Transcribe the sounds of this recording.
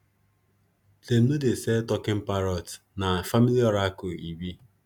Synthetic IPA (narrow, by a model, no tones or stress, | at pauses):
tem̩nodesetɔkɪm̩paɾɔtnaafamiliɔɾaakʊiwi